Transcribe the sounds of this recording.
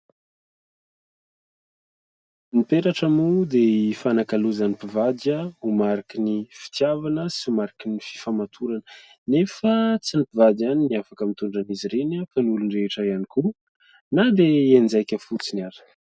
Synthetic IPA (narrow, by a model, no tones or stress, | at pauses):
nipeɾaʈ͡ʂamud̪eifanakaluzanipivad̪aumaɾakinifi̥t̪javanəsiumaɾakinifi̥famat̪ʰuɾanə | nefət͡sinipivad̪aniniafakəmit̪uɳɖ͡ʐaniziɾenakanulunreʈ͡ʂaianiku | nad̪eenzajkʲəfut͡siniaɾə̥